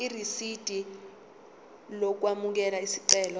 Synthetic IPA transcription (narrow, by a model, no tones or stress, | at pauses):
irisid̥ʼʱi | lok̬wamuk̬ɛlaisiǀɛːlɔ